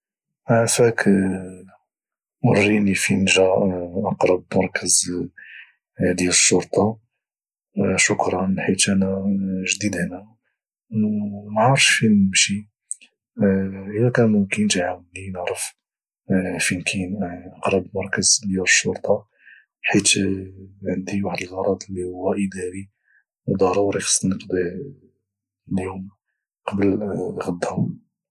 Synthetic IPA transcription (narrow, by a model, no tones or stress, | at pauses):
ʔaʕfæk | wərːinifinʒæʔɑqɾˤɑbmɑɾˤkəz | d̪jæləʃːʊɾˤt̪ˤɑ | ʃʊkɾˤɑnlħit̪ʔænæʒd̪id̪hnæ | wmʕɑɾˤʃfinəmʃi | ʔəlækænukint̪ʕawninəʕɾˤəf | finkʰinʔɑqɾˤɑbmɑɾˤkəzljuɾʃːʊɾt̪ˤɑ | ħit̪ | ʕənd̪iwaħd̪əlʔɑɾˤɑd̪ˤəlːihʊwːæʔəd̪æɾi | d̪ˤɑɾˤuɾixɑ̥sˤːnəqd̪ˤi | ljum | qɑbəlɣəd̪ːhʊm